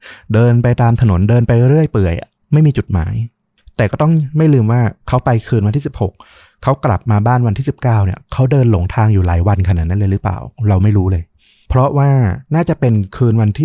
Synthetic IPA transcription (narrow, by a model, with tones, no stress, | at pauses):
dɤː˧npa˧jt̪aː˧mt̪ʰa˧no˩˦ndɤː˧npa˧jɾɯ˥˩əjpɯ˨˩əj | ma˥˩jmiː˧t͡ɕu˨˩t̪̚ma̰ː˩˦j | t̪ɛː˨˩kɔː˥˩t̪ɔ˥˩ŋma˥˩jlɯː˧mwaː˥˩kʰa˦˥wpa˧jkʰɯː˧nwnt̪iː˥˩si˨˩p̚ho˨˩k̚ | kʰːa˦˥wkla̰˨˩p̚maː˧baː˥˩nwa˧nt̪ʰiː˥˩si˨˩p̚kaː˥˩wnḭ˦˥˩ɐkʰa˦˥wdɤː˧nlo˩˦ŋt̪ʰaː˧ŋjuː˨˩laː˩˦jwa˧nkʰa˧naː˨˩na˦˥lɤː˧ɾɯ˦˥pa̰ː˨˩wɾa˧wma˥˩jɾuː˦˥lɤː˧j | pʰɾɔ˦˥ʔwaː˥˩naː˥˩t͡ɕa˨˩pe˧nkʰɯː˧nwa˧nt̪ʰiː˥˩